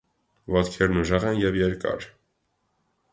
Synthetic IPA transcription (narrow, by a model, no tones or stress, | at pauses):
vɑt̪kʰɛɾnuʒɑʁɛnjɛvjɛɾkɑ̰ɾ